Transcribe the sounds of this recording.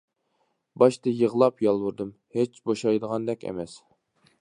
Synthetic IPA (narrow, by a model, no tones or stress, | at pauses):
bɑʃt̪ɨjəʁlˠɑpjɑlˠwuɾd̪ɨm | het͡ʃboʃɑjd̪əʁɑnd̪ɛkʲḛmɛs